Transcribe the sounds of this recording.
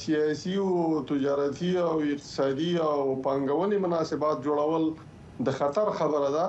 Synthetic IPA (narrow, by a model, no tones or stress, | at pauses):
sijɑsiwt̪ɪd͡ʒɑɾat̪ʰiawɪq̚t̪ɪ̥sɑd̪iawpɑŋɡawənemʊnɑsɪbɑt̪̚d͡ʒoɽawəl | d̪əxat̪aɾxabəɾad̪a